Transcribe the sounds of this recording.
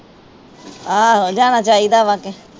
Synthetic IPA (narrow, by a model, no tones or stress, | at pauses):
aːɦod͡ʒaːnaːt͡ʃaːiːd̪aːʋake